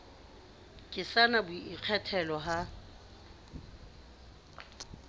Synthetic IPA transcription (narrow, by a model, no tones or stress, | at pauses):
kʼɪsanabʊiq͡χʰɛtʰɛlɔɦa